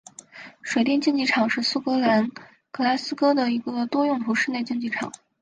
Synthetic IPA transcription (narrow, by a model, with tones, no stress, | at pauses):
ʂwe˨˩ɪt̪jɛ˥˧nt͡ɕi˥˧ŋt͡ɕi˥˩ʈ͡ʂʰɑ˨˩ŋʂɻ̩˥˧su˥˩kɤ˧˥la˧˥n | kɤ˧˥la˧˥sɹ̩˥kɤ˥d̪ə˨i˧˥ɡə˧t̪wɔ˥jʊ˥˩ŋt̪ʰu˧˥ʂɻ̩˥˧ne˥˧ɪt͡ɕi˥˧ŋt͡ɕi˥˩ʈ͡ʂʰɑ̰˨˩˦ŋ